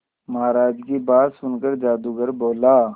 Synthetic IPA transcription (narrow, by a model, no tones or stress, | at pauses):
maːɾaːd͡ʒkebaːd̪sʊnkəɾd͡ʒaːd̪uɡəɾboːlaː